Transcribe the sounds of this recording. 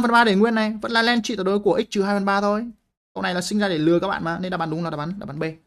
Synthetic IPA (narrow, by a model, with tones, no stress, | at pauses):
mvə˨nɓaː˧ɗe˧˩ŋwi˧ənːa˨˩jvə̰˧˥nlaː˨˩lɛ˧nt͡ɕḭ˧˨t̪ːɗo˨˦ku˧˩əʔi˦˥k̚t͡ɕɨ˨˩haː˧jvə˨˩nɓaː˧t̪ʰo˧˩j | kə̰˧˨wna˨˩jlaː˨˩sï˧ŋ̟zaː˧ɗe˧˩lɨ˨əkaː˦˥k̚ɓ̰ːmaː˨˩ne˧nɗaː˧˩ɓaː˨˦nɗʊ˨˦ŋ͡mlːɗaː˨˩ɓaː˨˦nɗaː˧˩ɓaː˨˦ɓe˧